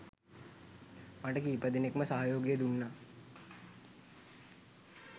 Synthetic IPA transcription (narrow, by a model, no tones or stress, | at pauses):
maʈəkiːpəd̪enekmɐsaɦajoːɡjəd̪unːa